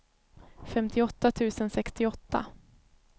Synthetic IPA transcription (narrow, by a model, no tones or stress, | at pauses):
fɛmt̪ʰɪɔt̪ːat̪ʰʉ̟ːsənsɛkst̪ɪɔt̪ːa̰